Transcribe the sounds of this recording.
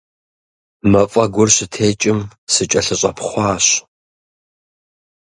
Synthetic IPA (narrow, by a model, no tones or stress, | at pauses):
mɐfʼɐɡʷʊrɕɪtʰeːt͡ʃʼɪmsɨt͡ʃʼɐɬɨɕʼɐpʰχʷɑːɕ